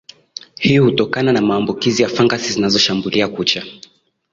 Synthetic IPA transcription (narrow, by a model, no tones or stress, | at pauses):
hihutɔkananamaːmbukizijafaŋɡasizinazɔʃambuliakut͡ʃa